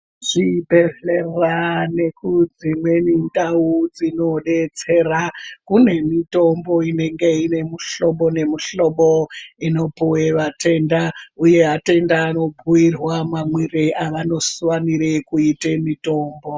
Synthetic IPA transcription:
ʐ̥ibe̞ɮerane̞kud͡zimwe̞nindaud͡zino̞ɗe̞t͡se̞rakune̞mito̞mbo̞ine̞ŋɡe̞ine̞muɬo̞ɓo̞ne̞muɬo̞ɓoino̞puweʋate̞ndauje̞ɦate̞ndaːno̞bʱuirwamamwireʔaʋano̞suwaniɾekuitemito̞ːmbo̞

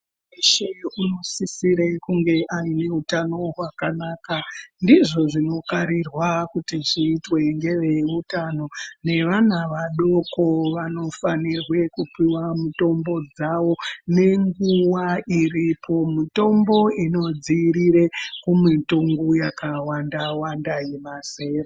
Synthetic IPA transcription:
eʃeuno̞sisiɾekuŋɡe̞ʔaine̞utano̞ɦwakanaːkandiʐo̞ʐino̞kaɾirwakutiʐiːtwe̞ŋɡe̞ʋe̞utano̞ne̞ʋanaʋaɗo̞ko̞ʋano̞fanirwe̞kupiwamuto̞mbo̞d͡zaʋo̞ne̞ŋɡuwairipʰo̞mito̞mbo̞ino̞d͡ziɾiɾekumituŋɡujakawandawandajemaseːre

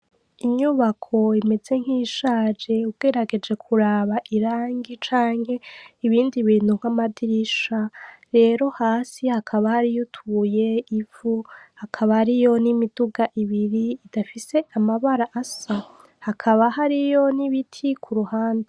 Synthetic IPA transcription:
iɲuβakʰo̞ime̞ze̞ŋ̥hiʃaːd͡ʒe̞ubɡ̥e̞ɾaɡe̞d͡ʒe̞kʰuɾaːβaʔiɾaːŋɡit͡ʃaːŋ̥he̞iβiːndiβiːn̥huŋ̥hamadiɾiʃaɾe̞ːɾo̞haːsihakʰaβahaɾijotʰuuje̞ivuhakʰaβahaɾijo̞nimiduɡaʔiβiɾiːdafise̞amaβaɾaʔasa | hakʰaβaɦaɾijo̞niβitʰikʰuɾuhaːnze

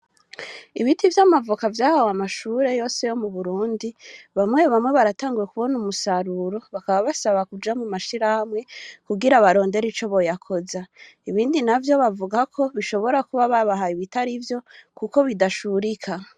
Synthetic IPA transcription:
iβitivjamavukavjaːhawamaʃuːɾe̞jo̞ːse̞jo̞muβuɾuːndiβamŋe̞βamŋe̞βaɾataːŋɡuje̞kuβo̞numusaɾuɾo̞βakaβaβasaβakud͡ʒamumaʃiɾahamŋe̞kuɡiɾaβaɾo̞ːnde̞ɾit͡ʃo̞βo̞jakʰo̞za | iβiːndinavjo̞βavuɡakʰo̞βiʃo̞βo̞ɾakuβaβaβaɦaiβitaɾivjo̞kuko̞βidaʃuɾikʰa

